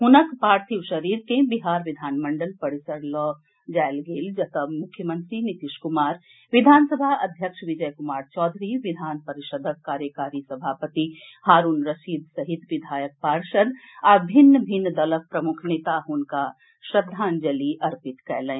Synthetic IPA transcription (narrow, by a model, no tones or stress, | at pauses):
ɦʊnəkpaːɾt̪ʰiʋʃɐɾiːɾkẽbiɦaːɾʋɪd̪ʱaːnmɐ̃ɳɖəlpɐɾɪsəɾlɔː | d͡ʒɛːlɡeːld͡ʒɐt̪əmmʊkʰjəmə̃nt̪ɾinɪt̪iʃkʊmaːɾ | ʋɪd̪ʱaːnsəbʱaɐd̪ʱjəkʃʋɪd͡ʒəjkʊmaːɾt͡ʃɔːd̪ʱɾiʋɪd̪ʱaːnpɐɾɪʃəd̪ʱəkːaːɾjəkaːɾisɐbʱaːpət̪i | haːɾuːnɾɐʃiːd̪sɐɦɪt̪ʋɪd̪ʱaːjək̚paːɾʃəd̪aːɾbʱɪnːəbʱɪnːd̪ɐlək̚pɾɐmʊkʰneːt̪aɦʊnka | ʃɾɐd̪ʱːaːnd͡ʒɐliʔɐɾpɪt̪kɛːlɛ̃ː